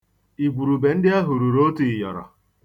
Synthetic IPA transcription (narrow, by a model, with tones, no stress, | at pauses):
i˨ɡʷu˨ɾu˨be˨n̩˦dɪ˦a˦ɦu˨ɾu˨ɾo˦ti˨jɔ̰˨ɾɔ̰˨